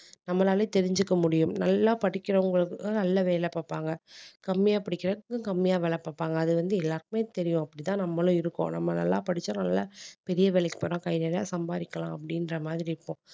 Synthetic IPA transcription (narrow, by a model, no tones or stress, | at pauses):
nɐmːɐlaːlet̪ɛɾɪɲd͡ʒɯkːɐmʊɽɪjɯmnɐlːãːpɐɽɪkːɪɾɐʊŋɡɐɭɯkɯnɐlːɐʋeːlɛpaːpːaːŋɡɐkɐmːɪjaːpɐɽɪkːɪɾɐɯkːɯkɐmːɪjaːʋɛlɐpːaːpːaːŋɡɐːðɯʋɐnd̪ɯɛlːaːɾkɯmeːt̪ɛɾɪjʊ̃ɐpːɐɽɪt̪ãːnɐmːɐlʊ̃ɪɾɯkːõ̰ːnɐ̰mːɐnɐ̰lːa̰ːpɐɽɪt͡ʃːõːnɐlːɐ̰pɛɾɪjɐʋɛlɐkːɯ̥pɐɾõːkɐɪneːɾja̰ːsɐmbaːɾɪkːɐlãːɐp̬ːɐɽɪnɾɐmaːðɪɾɪɪpːõ